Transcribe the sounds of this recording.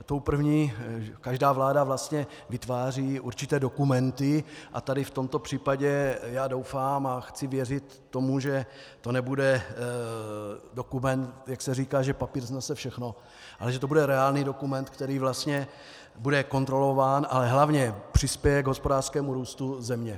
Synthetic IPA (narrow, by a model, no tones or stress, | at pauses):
t̪o̞wpr̩vɲiːkaʒdaːvlaːdavlast̪ɲɛ | vɪt̪vaːr̝iːʔuɾt͡ʃɪt̪ɛːdo̞kumɛnt̪ɪʔa̰t̪adɪft̪o̞mt̪o̞pr̥iːpaɟɛjaːdo̞wfaːmaxt͡sɪvjɛrɪt̪ːo̞muʒɛ | t̪o̞nɛbudɛ | do̞kumɛnt̪jaksɛriːkaːʒɛpapiːɾznasɛfʃɛxno̞ | ʔa̰lɛʒɛt̪o̞budɛɾɛaːlniːdo̞kumɛnt̪kt̪ɛɾiːvlast̪ɲɛ | budɛko̞nt̪ɾo̞lo̞vaːnʔa̰lɛɦlavɲɛpr̝̥ɪspjɛjɛɡɦo̞spo̞daːr̥skɛːmuɾuːst̪uzɛmɲɛ